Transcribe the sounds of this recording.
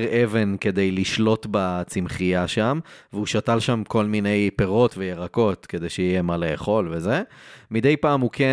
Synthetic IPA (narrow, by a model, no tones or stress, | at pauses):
ʁʔeve̞nke̞d̪ejliʃlo̞t̪bat͡simχijaʃamveuʃatalʃamko̞lmine̞jpeʁo̞tvejeʁako̞tke̞d̪ejʃejije̞maleeχo̞lvezemid̪e̞jpaːmukʰe